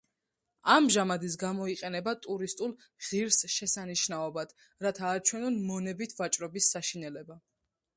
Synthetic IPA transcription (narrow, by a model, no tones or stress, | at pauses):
amʒamad̪is̬ɡamɔiqʼɛnɛbat̪ʼuɾist̪ʼulˠ | ʁ̥iɾsʃɛsaniʃnaɔbad̪̥ | ɾat̪ʰaːt͡ʃʰwɛnɔnmɔnɛbit̪ʰvat͡ʃʼɾɔbisːaʃinɛlɛba